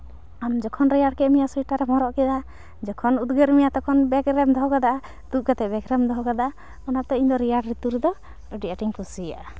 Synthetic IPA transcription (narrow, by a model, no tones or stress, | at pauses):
amd͡ʒɔkʰɔnɾijaɽkɛʔmijasɔjʈaɾɛmɔɾɔʔkɛd̪a | d͡ʒɔkʰɔnud̪ɡəɾmijat̪ɔkʰɔnbɛkɾɛmd̪ʱɔɦɔɡad̪aʔa | d̪̥uʔ̚kat̪ɛbɛkɾɛmd̪ɔɦɔɡad̪aʔa | ɔnap̚t̪ɛiɲd̪ɔɾijaɖɾit̪uɾɛd̪ɔ | əɖiʔaʈiŋkusija̰ʔa